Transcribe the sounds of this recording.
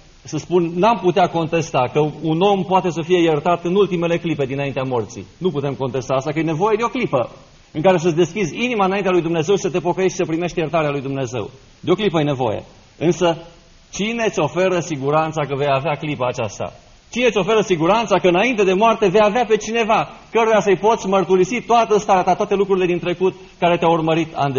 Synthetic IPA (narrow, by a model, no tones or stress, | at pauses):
səspunːamput̪eako̞nt̪e̞st̪akəuno̞mpoat̪e̞s̬əfije̞jert̪at̪ɨnult̪ime̞le̞klipe̞d̪inaint̪eamo̞rt̪sḭnuput̪e̞mko̞nt̪e̞st̪aːst̪akəjne̞vo̞je̞d̪eo̞klipə | ɨŋkaɾe̞s̬əd̪e̞skʲizʲinimaɨnaint̪ealujd̪umne̞ze̞wʃisət̪epo̞kəjeʃisəpɾime̞ʃt̪jert̪aɾealujd̪umne̞ze̞̰w | d̪eo̞klipəjene̞vo̞̰jḛ | ɨnsə | t͡ʃine̞t̪sʲo̞fe̞ɾəsiɡuɾant̪sakəve̞javeaklipaːt͡ʃast̪a̰ | t͡ʃinet̪sʲo̞fe̞ɾəsiɡuɾant̪sakəɨnaint̪ed̪e̞moart̪e̞vejaveape̞t͡ʃine̞vakəɾujasəjpo̞t̪sʲmərt̪uɾisit̪oat̪əst̪aɾeat̪at̪oat̪elukɾuɾile̞d̪int̪ɾe̞kut̪ | kaɾe̞t̪eaurməɾit̪ʰa̰nd̪e